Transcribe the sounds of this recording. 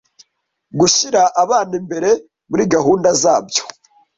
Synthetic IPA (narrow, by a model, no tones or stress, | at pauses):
ɡuʃiɾaʔaβaːnimbe̞ɾe̞ | muɾiɡaɦuːndazaːbjo̥